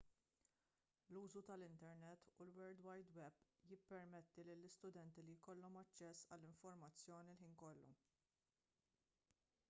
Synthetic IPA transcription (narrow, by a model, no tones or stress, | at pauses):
luːzut̪ɐlɪnt̪ɛɾnɛt̪ːulwɛɾd̪wɐjd̪wɛbjɪpːɛɾmɛt̪ːililːɪst̪ʊd̪ɛnt̪ilijkɔlːɔmɐt͡ʃːɛsːɐ̰lːɪɱfɔɾmɐt͡sːjɔːnilħiːnkɔlːṵ